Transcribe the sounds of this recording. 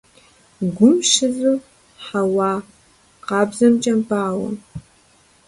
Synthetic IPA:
ɡʷʊmʃɪzɨm | ħawɑː | qɑːbzɐmt͡ʃʼɐmpʰʼaːwɐ̰

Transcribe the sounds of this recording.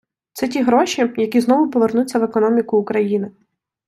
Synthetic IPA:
t̪sɛtʲiɦɾɔʃʲijɐkʲiznɔʋʊpɔʋe̞rnut͡sʲːɐʋekɔnɔmʲikʊːkɾɐjinɪ

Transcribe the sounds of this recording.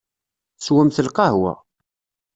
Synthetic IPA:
swæmθəlqɑhwæ̰

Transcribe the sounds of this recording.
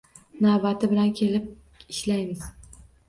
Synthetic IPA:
nabat̪ʰɪbɪlankʲʰe̞lɪp̚ | ɪʃlajmɪz̥

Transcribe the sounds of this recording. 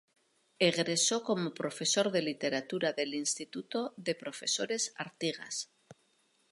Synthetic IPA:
eɣɾe̞so̞ko̞mo̞pɾo̞fe̞so̞ɾðe̞lit̪e̞ɾat̪uɾaðe̞linst̪it̪ut̪o̞ðe̞pɾo̞fe̞so̞ɾe̞saɾt̪iɣa̰s

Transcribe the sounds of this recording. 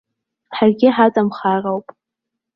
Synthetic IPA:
ħarɡʲɪħat͡sʼamχarawpʼ

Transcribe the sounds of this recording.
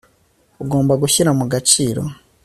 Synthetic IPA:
uɡo̞ːmbaɡuçiɾamuɡat͡ʃiːɾo̞̰

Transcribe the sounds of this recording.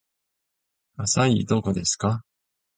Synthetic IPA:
asaid̪o̞ko̞d̪e̞sɨ̥ka

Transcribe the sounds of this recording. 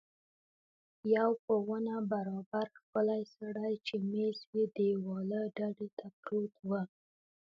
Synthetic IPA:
jawpəwənabaɾɑbaɾxpəlajsaɽajt͡ʃemeswid̪əwɑləɖaɖet̪ʰapɾot̪wə

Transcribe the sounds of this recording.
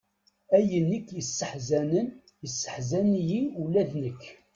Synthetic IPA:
æjənːikːjəsːəħzænən | jəsːə̥ħzænjiulæðnəkː

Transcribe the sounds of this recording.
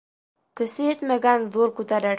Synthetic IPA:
kɵ̆sɘjɘt̪mæɡænðuɾkʉt̪æɾɘɾ

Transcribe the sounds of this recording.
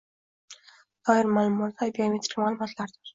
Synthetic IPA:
d̪̥ɒjɪɾmaːlˠʊmɒt̪ajbiamʲet̪ɾɪ̥kʲmaːlˠʊmɒt̪laɾd̪ɪɾ

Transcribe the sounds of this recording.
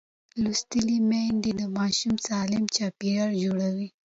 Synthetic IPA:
lust̪əlimeɳɖid̪əmɑʃumsɑlɪmt͡ʃɑpiaɽd͡ʒoɽawi

